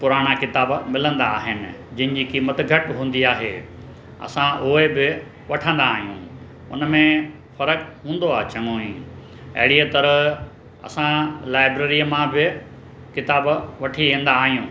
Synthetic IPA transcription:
pʊɾaːɽ̃akɪt̪aːbmɪlə̃nd̪aːɦɪnɪ̆d͡ʑɐ̃ɦɪ̃ɲd͡ʑiːkimɐt̪ɡʱɐʈɦũːn̆d̪iaːɦḛː | ɐ̰sãʔʊebɪ | ʋɐʈʰə̃nd̪aːɦijṵ̃ː | ʊ̰nəmẽ | fɐɾəkɦũːn̆d̪oaːɦt͡ɕɐŋoːĩː | ɐ̰ɦɪɽiət̪ɐɾə | ɐ̰sãlaːɪbɾeːɾijəmãbɪ | kɪt̪aːbʋɐʈʰiʋẽːn̆d̪aːɦijũː

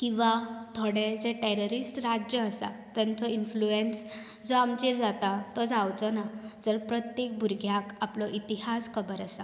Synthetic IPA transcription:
kĩw̃ʋat̪ʰoɽed͡zeʈeɾɔɾisʈɾad͡ʑjəːsa̰t̪ãnt͡sɔinfluens | d͡zɔamt͡ɕiɾd͡zat̪at̪ɔd͡zawt͡sɔnad͡zəɾpɾət̪jek̚bʱuɾɡʱjakaplɔʔit̪iɦaskʰəbəɾasa

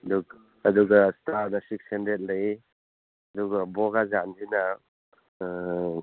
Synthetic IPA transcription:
duː | duɡastaɾdasik̚sendet̚laj | ɐduɡabɔɡazandina

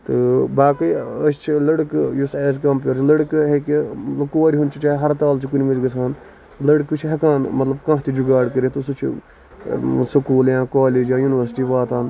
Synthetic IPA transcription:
t̪ɨbaːkɐjɐst͡ʃʰilɐɽkjuseːskɐmpjoːɾt͡ʃʰlɐɽkɦekimɐt̪lɐbkoːɾʲiɦunt͡ʃʰit͡ʃaːiɦɐɾt̪aːlt͡ʃʰikunʲmid͡ʒɡɐsaːn | lɐɽkɨt͡ʃʰɦɐkaːnmɐt̪lɐbkãːt̪id͡ʒuɡaːɽkɐɾit̪usut͡ʃʰ | sɐkuːljãːkaːleːd͡ʒjãːjunʋəɾsʈiːʋaːt̪ʰaːn

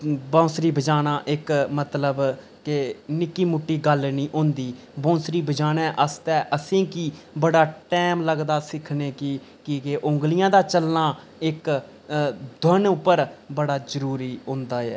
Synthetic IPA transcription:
bãːsɾiːbʱəd͡ʒaːnaːʔɪkmət̪ləb | kɪnɪkːiːmʊʈːiːɡəlnĩːʔõːnd̪iː | bõːsɾiːbʱəd͡ʒaːnɛ̃ːʔəst̪ɛːʔəsĩːkiːbəɽaːʈɛːmləɡd̪aːsɪkʰneːkɪ | kɪkeʔʊ̃ːŋɡlɪjãːd̪aːt͡ʃəlnaː | ɪk | d̪ʱənʊpːəɾbəɽaːd͡ʒəɾuːɾiːɦõːnd̪aːɛ̰ː

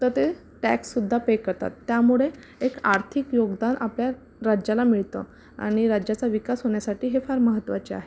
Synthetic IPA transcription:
t̪əɾt̪e | ʈæ̰ksːud̪ʱːapekːəɾt̪a̰t̪ːjamuɭe | ekaɾt̪ʰikjoɡd̪anʔa̰plja | ɾad͡ʑalamiɭt̪ə̰ | a̰ɽ̃iɾad͡ʑjat͡saʋikasɦoɳjasaʈiːɦefaɾməɦət̪ːʋat͡ɕea̰ɦe

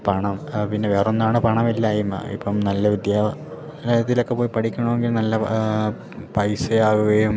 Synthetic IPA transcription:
pɐɳɐmpinːe̞ʋeːronːaːɳɨpɐɳɐmilːaːjuma̰ḭpːɐmnɐlːɐʋid̪jaː | lɐɐt̪ːilo̞kːe̞po̞ːjipɐʈʰikʲːɐɳoːeŋɡilnɐlːɐ | pɐjsɨaːɣuɣɐjum

